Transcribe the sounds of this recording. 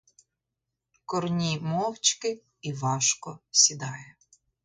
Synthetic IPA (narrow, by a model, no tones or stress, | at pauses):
kɔrnʲimɔwt͡ʃkɪ | iʋɑʃkɔsʲid̪ɑjɛ